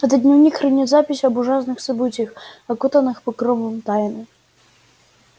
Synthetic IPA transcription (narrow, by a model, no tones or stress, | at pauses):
ɛt̪ɐd̪ʲnʲɛwnʲixɾɨnʲɛzapʲisʲɐbuʐas̬nɨxsɐbɨtʲjɐxɐkut̪ɐnɨxpɨkɾɔvɔmt̪ajnɨ